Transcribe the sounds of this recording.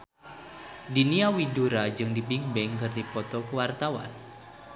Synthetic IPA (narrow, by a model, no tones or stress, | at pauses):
duniawiduɾad͡ʒɨŋdibiŋbɛŋkɨrdipɔt̪ɔkəwart̪awa̰n